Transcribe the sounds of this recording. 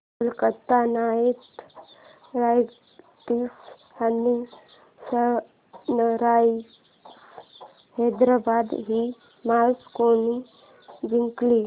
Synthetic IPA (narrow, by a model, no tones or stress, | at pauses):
lkət̪ːanajet̪ | ɾaj | t̪iːs | ani | sə | nəɾa | s | hed̪ɾabad̪ɦi | maskoni | d͡ʒiŋkli